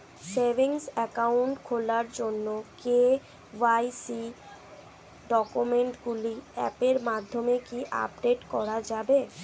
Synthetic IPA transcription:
sebʱiŋsɛkauɳʈkʰolaɾd͡ʑonːoke | wajsi | ɖɔkumeɳʈɡuliɛ̰peɾmad̪ʱːomekiʔa̰pɖeʈkɔɾad͡ʑabe

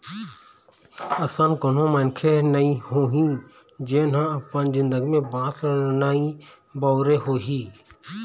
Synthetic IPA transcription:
əsãːnkon̤õːməːnkʰeːnəĩhoːɦĩː | d͡ʒeːnɦãːəpãːnzɪ̃nd̪əɡimẽːbaːt̪ʰɾənaːĩ | baːɾeːɦoːɦiː

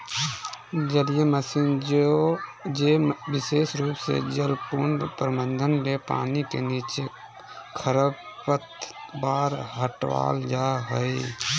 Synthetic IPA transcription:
d͡ʒəlijeməsiːnd͡ʒod͡ʒeʋɪseːsɾuːpsḛd͡ʒəlpuɳɖpɾəmənd̪ʱənmepa̰ːnikḛniːt͡ʃe | kʰəɾəb | pət̪baːɾɦəʈʋa̰ːld͡ʒaɦəi

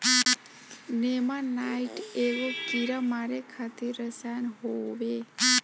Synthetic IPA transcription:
nemãnaiʈeʋokiɾəmaɾekʰat̪ʰiɾəsanɦoʋe

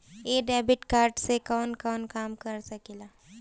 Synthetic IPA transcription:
eɖɛbiʈkaːɾɖsekənkəwnkaːmkəɾsɐkela

